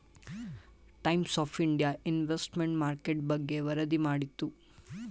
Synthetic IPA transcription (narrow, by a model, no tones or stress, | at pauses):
ʈɐjmsaːpʰiɳɖijaʔinʋesʈmeɳʈmaːɾkeʈ̚bɐɡːe̞ʋɐɾɐd̪imaːɽit̪ːu